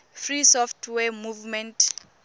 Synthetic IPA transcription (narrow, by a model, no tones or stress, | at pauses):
frisɔftʰwɛmuvmɛ̃ntʰ